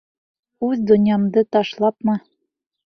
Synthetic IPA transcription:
ʉðd̪ŏnʲjɑmd̪ɤt̪ɑʃlˠɑpmɤ

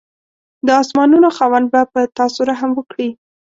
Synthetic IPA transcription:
d̪əɑsmɑnunoxɑwand̪̚bapət̪ɑsuɾaɦamwəkɽi

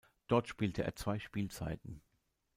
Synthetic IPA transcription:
d̥ɔɐtʃpiːltʰəʔḛːɐt͡sv̥aɪʃpiːlt͡sa̰ɪtn̩

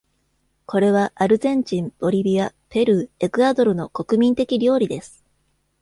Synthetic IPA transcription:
ko̞ɾe̞β̞aʔaɾɯ̟zẽ̞ɲ̟t͡ɕĩmb̥o̞ɾʲibʲijape̞ɾɯ̟e̞kɯ̟ad̪o̞ɾɯ̟no̞ko̞kɯ̟mʲĩnt̪e̞kʲiɾʲo̞ːɾʲid̪e̞sɨ̥

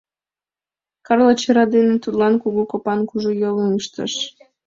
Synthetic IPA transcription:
kɑrlət͡ɕəɾɑd̪enet̪ud̪lɑnkuɣokopɑnkuʒojoliŋəʃt̪ə̰ʃ

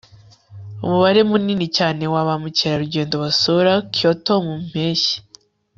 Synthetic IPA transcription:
ṵmuβaɾe̞muniːnicaːne̞waβamuciɾaɾuɟe̞ːndoβasoɾakjotomum̥eːʃi̥

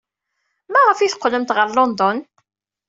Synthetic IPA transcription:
mæʁəfiθə̥qːləmt̪ʁəɾlɔnd̪ɔn

